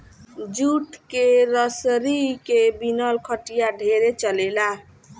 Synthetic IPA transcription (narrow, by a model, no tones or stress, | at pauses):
d͡ʒuʈkeɾəsɾikebinəlkʰəʈijaɖʱeɾet͡ʃəlela